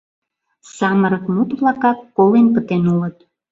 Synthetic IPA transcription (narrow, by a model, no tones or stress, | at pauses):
sɑməɾəkmut̪βlɑkɑkːolenpət̪enulət̪̚